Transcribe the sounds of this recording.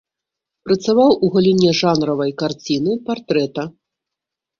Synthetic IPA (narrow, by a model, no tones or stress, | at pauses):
pɾɐt̪savawʔuɣɐlʲinʲɛʐanɾɐvɐjkart͡sʲinɨpart̪ɾɛt̪ɐ